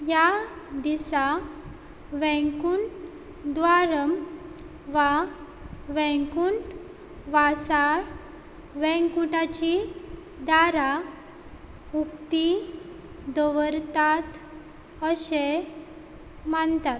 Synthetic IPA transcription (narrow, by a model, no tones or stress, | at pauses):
jad̪isa | ʋɛ̃kuːɳʈ | d̪ʋaɾəm | ʋa | ʋɛ̃kuɳʈ | ʋasaɽ | ʋɛ̃ŋkuʈat͡ɕi | d̪aɾa | ukt̪i | d̪əʋəɾt̪at̪ | əɕe | mant̪at̪̚